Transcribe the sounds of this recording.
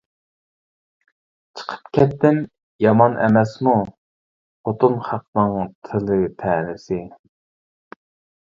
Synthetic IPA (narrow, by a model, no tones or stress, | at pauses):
t͡ʃʰə̥qʰə̥pkʲʰɛt̪ːɪm | jɑmɑnʔɛ̰mɛsnu | qʰot̪unχæq̚nɨŋt̪ʰɪlɪt̪ʰɛːnɪsɪ